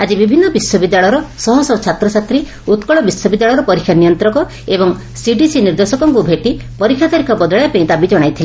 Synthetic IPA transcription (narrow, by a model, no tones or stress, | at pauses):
ad͡ʒibibʱinːɔbiswɔbid̪jaɭɔjɾɔsɔɦɔsɔt͡ʃʰat̪ɾɔsat̪ɾi | ut̪kɔɭɔbiswɔbid̪jaɭɔɾɔpɔɾikʰːjanijɔnt̪ɾɔkɔ | ebɔŋ | siɖisiniɾd̪osɔkɔŋkubʱeʈipɔɾikʰjat̪aɾikʰɔbɔd̪ɔɭjapeĩt̪abid͡ʒɔɽ̃ajt̪ʰile